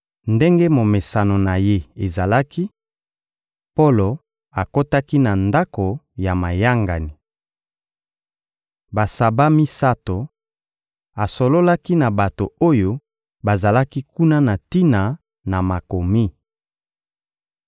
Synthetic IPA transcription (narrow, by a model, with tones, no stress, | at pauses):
nde˦ŋɡe˦mo˨me˨sa˨no˨na˨je˦e˨za˨la˦ki˦ | po˦lo˨ | a˨ko˦ta˦ki˦na˨nda˦ko˨ja˨ma˨ja˦ŋɡa˨ni˨ | ba˨sa˨ba˦mi˦sa˦to˨ | a˨so˨lo˦la˦ki˦na˨ba˨to˨o˦jo˦ | ba˨za˨la˦ki˦ku˦na˦na˨ti˦na˨ | na˨ma˨ko˨mi˦